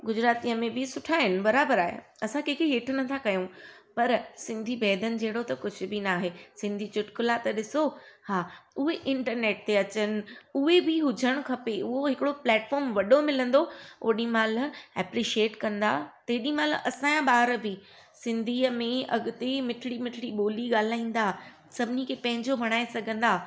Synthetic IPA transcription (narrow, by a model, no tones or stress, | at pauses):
ɡʊd͡ʑɾaːt̪iːəmẽbɪsʊʈʰaːɦɪnɪ̆bɐɾaːbəɾaːɦḛ | ɐsãkẽːkʰeɦeːʈʰʊnɐt̪ʰakɐjũpɐɾsɪ̃nd̪ʱibɛːd̪ənɪ̆d͡ʑeɦɪɽot̪ɐkʊd͡ʑʱʊ̆bɪnaːɦeːsɪ̃nd̪ʱit͡ɕʊʈkʊlat̪ɐɗɪsohaːʊɦeʔɪ̃ɳʈəɾneːʈ̚t̪eɐt͡ɕənɪ̆ʊɦebɪɦʊd͡ʑʱəɽ̃ʊkʰɐpeʊɦoɦɪkɪɽoplɛːʈfɔːɾmʋɐɗomɪlə̃nd̪oo̰ːɗĩmaːlɛːpɾiʃieːʈkɐ̃nd̪aːt̪eːɗĩmaːlʔɐsãjãɓaːɾbi | sɪ̃nd̪ʱiːəmẽɐ̰ɡʊt̪emɪʈʰɪɽimɪʈʰɪɽiɓoːliɠaːl̤aːĩːn̆d̪a | sɐbʱɪnikʰepɐ̃ɦɪ̃ɲd͡ʑobʱɐɽ̃aːesɐɡʱə̃nd̪aː